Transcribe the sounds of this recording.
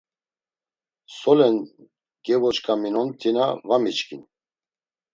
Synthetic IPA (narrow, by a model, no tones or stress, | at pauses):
sɔlɛn | ɡ̥ɛvɔt͡ʃkʰʼaminɔnt̪ʰinavamit͡ʃkʰʼin